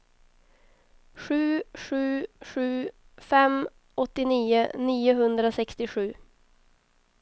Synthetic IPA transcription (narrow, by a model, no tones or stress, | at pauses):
ʂʉ̟ːʂʉ̟ːʂʉ̟ː | fɛm | ɔt̪ːɪniːəniːʊɦɵnd̪ɾasɛkst̪ɪɧʉ̟ː